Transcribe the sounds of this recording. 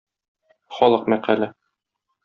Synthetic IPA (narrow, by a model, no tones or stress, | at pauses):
χɒlˠɤqmæqælæ